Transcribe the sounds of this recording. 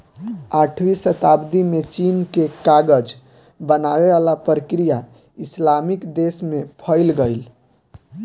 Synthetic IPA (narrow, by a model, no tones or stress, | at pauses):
aʈʰwisət̪abd̪imet͡ʃinkekaɡəd͡ʒ | bənaʋeʋalapɾəkɾija | islamikd̪esmepʰəɪlɡəɪl